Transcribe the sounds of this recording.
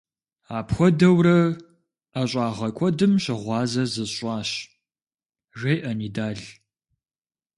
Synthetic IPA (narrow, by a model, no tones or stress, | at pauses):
aːpxʷɔdɐwrɐ | aɕʼɑːʁɐkʷʰɔdɨmɕɪʁʷɑːzɐzɨɕʷʼɑːɕ | ʒejʔɐniːdaːɮ